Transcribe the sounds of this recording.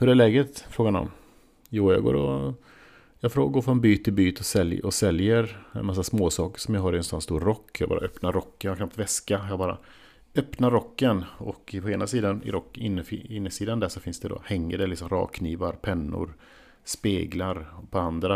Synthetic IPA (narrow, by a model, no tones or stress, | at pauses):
pɔɖ̪ɛːlɛːɡət̪fɾoːɡanɔ̰m | juːjɑ̰ːɡo̰ːɾɔ | jɑːɡfɾoːɡoːɾfɾɔnbyːt̪ʰːɪlbyːt̪ɔsɛljʔɔsɛljəɾɛ̰nmas̬ːasmoːsɑːkə̥ʂɔmjaɦaɾɪɛnsanst̪uːɾɾɔkːjɑ̰ɡbɑ̰ːɾaʔœpnaɾɔkːəjhakʰnap̚t̪vɛskajɑɡbɑːɾa̰ | œpnaɾɔkːənɔkpʰɔeːnasiːd̪anɪ̰ɾɔkːɪnːəɪnːəsiːd̪and̪æʂɔfɪnsd̪ɛd̪o̰hɛŋːəɖɛlɪksɔmɾɑ̰ːkʰːniːvaɾpʰɛnːʊ̰ɾ | speːɡlaɾɔpʰɔand̪ɾa